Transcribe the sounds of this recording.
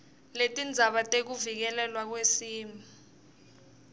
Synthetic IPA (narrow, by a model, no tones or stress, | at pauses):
letʼind͡zʱaɓatʼek̬uvik̬ɛlɛlwak̬wesiːmʱa